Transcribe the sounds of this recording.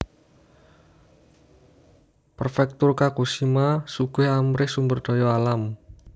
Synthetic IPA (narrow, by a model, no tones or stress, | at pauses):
pərfɛk̚t̪ʊrkakusimasuɡ̥ʊhamɾɪhsumbərd̪̥ɔ̤jɔalam